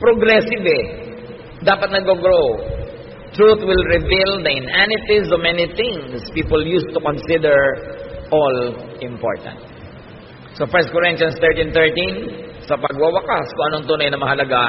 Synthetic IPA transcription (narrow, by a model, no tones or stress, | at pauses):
pɾoɡɾɛsɪbɛ | d̪aːpɐt̪̚nɐɡoɡɾo | t̪ɹut̪wɪlɹɪvild̪ɐʔɪnʔanɪt̪ɪsomɛniθɪ̃ŋspiːpoljust̪ʊkɔnsɪd̪ɛɹʔɔlʔɪ̃mpo̰ɹt̪ɐ̰̃nt̪̚ | sofɛɹst̪̚kɔɹɪnjɐ̃nst̪ɛɹt̪ĩnt̪ɛɹt̪ĩnsɐpɐɡwɐwɐkaskʊ̃ŋʔɐnoɐŋt̪uːnɐjnɐmɐɦɐlɐɡa